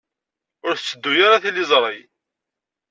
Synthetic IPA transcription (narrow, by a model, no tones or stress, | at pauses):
ʊɾθət͡sːəd̪ːujaɾaθilːizˤɾˤəj